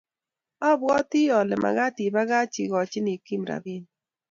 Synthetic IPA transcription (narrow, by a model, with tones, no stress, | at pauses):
ɔ˦bɡɔ˦ti˦ɔ˨lɛ˨mʔa̰˨ɡa˦ti˨ba˦ɣa˦t͡ʃi˨ɡɔ˨t͡ʃɪ˦ni˨ki˦mɾa̰˨bi˦n